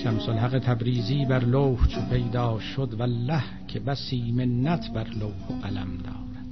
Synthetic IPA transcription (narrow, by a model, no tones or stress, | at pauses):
ʃæmsolɦæɣet̪ʰæbɾiːziːbæɾlowht͡ʃʰepʰe̞jd̪ɒːʃod̪vælːæhcʰebæsiːmenːæt̪ʰbæɾlowhʔælæ̰md̪ɒːɾæd̪̥